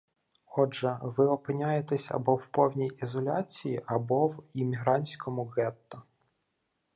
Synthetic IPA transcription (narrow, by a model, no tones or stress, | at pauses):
ɔʒɛʋɪɔpɪnʲajet̪ɛsʲɐ̰bɔwpɔwnʲijizɔlʲat͡sʲijiʔɐbɔwimʲiɦɾɑnʲsʲkʰɔmʊɣɛt̪ːɔ